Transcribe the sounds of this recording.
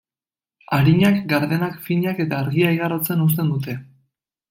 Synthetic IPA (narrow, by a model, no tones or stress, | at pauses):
aɾiɲakɡaɾðe̞nakfiɲake̞t̪aːɾɣiajɣarot͡se̞nus̬t̪e̞nd̪ut̪e̞